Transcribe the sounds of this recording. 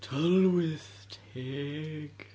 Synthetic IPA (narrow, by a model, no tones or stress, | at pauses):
tʰʌlwɪð̥ | tʰɛɡ̥